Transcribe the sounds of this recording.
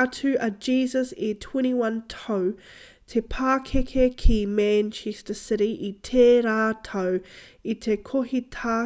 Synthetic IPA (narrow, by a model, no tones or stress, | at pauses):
tʰʉʔəd͡ʒiːzəsetʰw̥ɛ̃ɾ̃iwɐ̃ntʰoʊ | tʰepʰaːkʰekʰekʰimæ̃nt͡ʃʰɛstəsɪɾiʔitʰeɾatʰoʊ | itʰekʰoɦitʰa